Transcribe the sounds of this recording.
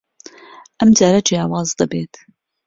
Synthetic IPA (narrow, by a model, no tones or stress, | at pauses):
ʔɐmd͡ʒaːɾad͡ʒjɑːwɑːzd̪ɐbeːt̪